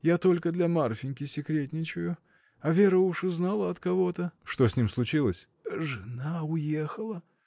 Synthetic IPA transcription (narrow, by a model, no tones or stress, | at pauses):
jat̪o̞lʲkəd̪lʲamarfʲɪnʲkʲɪsʲɪkɾʲet̬ʲnʲɪt͡ɕʊjʊ | avʲe̞ɾəʊʂʊznalˠəɐt̪kɐvo̞t̪əʂt̪o̞sʲnʲimslˠʊt͡ɕilˠəsʲ | ʐɨnaʊjexəlˠə